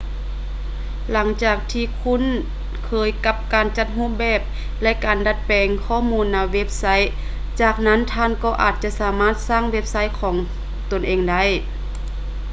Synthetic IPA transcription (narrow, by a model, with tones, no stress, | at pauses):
la˩˦ŋt͡ɕaː˧˩k̚t̪ʰiː˧˨kʰu˧˥˨n | kʰɤː˨˧jka˧p̚kaː˨˩nt͡ɕa˧˥t̪̚ɦuː˧˥˨p̚bɛː˧˩p̚ | lɛ˦˧˥ʔkaː˨˩nda˧˦t̪̚pɛː˨˩ŋkʰɔː˧˥˨muː˧˥nːaː˧˩wwe˦˥p̚sa˧˥j | t͡ɕaː˨˩k̚na˦˧˥nt̪ʰaː˧˥˨nkɔː˧˩ʔa̰ː˨˩t̪̚t͡ɕa˧˨ʔsaː˨˩˦maː˧˥˩t̪̚saː˥˨ŋwe˧˥p̚sa˧˥jkʰɔː˨˦ŋ | t̪o˨˩nʔeː˨ŋda˧˥˨j